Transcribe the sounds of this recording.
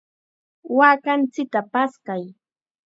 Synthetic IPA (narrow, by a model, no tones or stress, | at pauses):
waːkant͡sɪk̚t̪apaskaj